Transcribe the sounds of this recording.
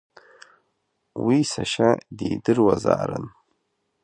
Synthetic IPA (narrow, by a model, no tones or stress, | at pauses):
wisaʃadedɨrwaza̰ːɾɨ̰n